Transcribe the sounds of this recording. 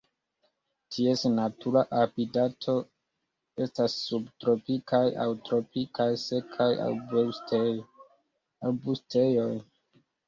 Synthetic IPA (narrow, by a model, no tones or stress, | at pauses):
tʰiesnatuɾaʔapidatʰo̞ | e̞stasːubtɾo̞pikajʔa̰wtɾo̞pikʰajse̞kʰaja̰wbeste | awbustʰejo̞j